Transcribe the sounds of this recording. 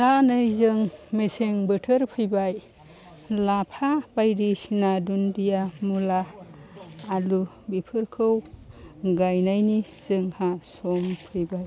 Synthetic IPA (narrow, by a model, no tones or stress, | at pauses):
sanɯjzɯŋmeseŋbɯtʰɯɾpʰɯjbaj | lapʰabajdisinadundijamulaː | lu | bipʰɯɾkʰɯw | ɡajnajni | z̥ɯŋhasɔmpʰɯjbaj